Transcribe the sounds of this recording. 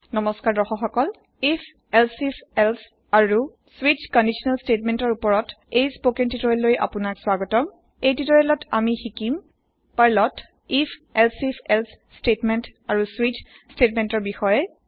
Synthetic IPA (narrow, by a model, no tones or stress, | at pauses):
nɔmɔskaɹdɔxɔxɔkɔl | ifʰ | ɛlsifʰɛls | aɹu | swid͡ʒkɔndisɔnalstetmɛntɔɹupɔɹɔt | ejspokentitɔɹɛlːojʔa̰punakswaɡɔtɔm | ejtitɔɹɛlɔtʰamixikim | paɹlɔt | ipʰɛlsipʰɛlsstetmɛntaɹuswid͡ʒ | stetmɛntɔɹbixɔjɛ